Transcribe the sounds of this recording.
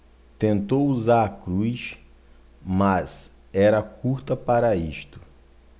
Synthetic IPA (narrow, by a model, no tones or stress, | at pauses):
t̪ẽnt̪owuzaɾɐkɾujs | maz | ɛɾɐkuɾt̪ɐpaɾɐiʃt̪ʊ̥